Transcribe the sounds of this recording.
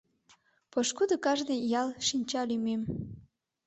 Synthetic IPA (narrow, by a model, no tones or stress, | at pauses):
poʃkud̪ə̆kɑʒnəjjɑlʃinʲt͡ɕɑlymem